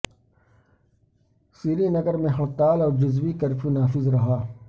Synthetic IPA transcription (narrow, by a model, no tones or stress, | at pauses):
siːɾinəɡəɾmẽɦɐɽt̪aːlɔːɾd͡ʒʊzwikəɾfʰĩnaːfɪzɾɐɦaː